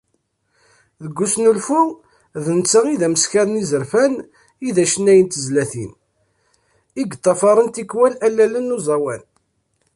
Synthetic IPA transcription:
ðəɡʷːusnulfu | ðənt͡sːæiðæməskaɾnizəɾfæn | iðæʃənːæjənt̪əzlæθḭn | iɡt̪ˤːɑfɑɾˤənt̪ikwælælːælənːuzˤɑwæn

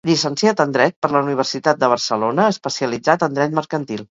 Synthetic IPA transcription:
ʎisənsiat̪ənd̪ɾɛt̪̚pəɾləuniβ̞ərsit̪at̪̚d̪əβ̞əɾsəlonəːspəsiəlid͡zat̪ənd̪ɾɛt̪məɾkənt̪ilˠ

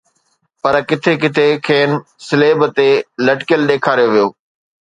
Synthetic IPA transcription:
pɐɾkɪt̪ʰek̬ɪt̪ʰekʰeːnɪ̆sɪleːbt̪elɐʈkjəlɗeːkʰaːɾijoʋijoː

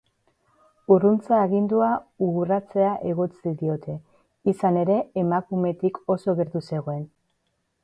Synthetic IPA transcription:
urunt͡saːɣ̞ind̪uauɣurat͡se̞aʔe̞ɣ̞o̞t͡sid̪io̞t̪ʰe̞ | isane̞ɾe̞emakume̞t̪iko̞so̞ɣe̞ɾt̪use̞ɣ̞o̞e̞n

